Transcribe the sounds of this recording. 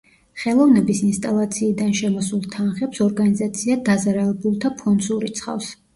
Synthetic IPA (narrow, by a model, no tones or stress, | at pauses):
χɛlˠɔvnɛbisinst̪ʼalˠat̪sʰiːd̪anʃɛmɔsulˠt̪ʰanχɛpsɔɾɡanizat̪sʰiad̪azaɾalɛbulˠt̪ʰapʰɔnd̪zuɾit̪sʰχa̰fs